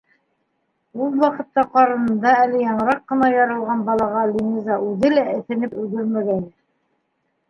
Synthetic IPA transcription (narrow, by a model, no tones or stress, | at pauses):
ulˠwɑqɤ̆t̪ːɑqɑɾɤ̆nɤ̆nd̪ɑælɘjɑɴɤ̆ɾɑqːɤ̆nɑjɑɾɤ̆lˠʁɑnbɑlˠɑʁɑlʲinʲizɑʔʉðɘlæɘ̆θɘ̆nɘpɵlɡɵɾmæɡæn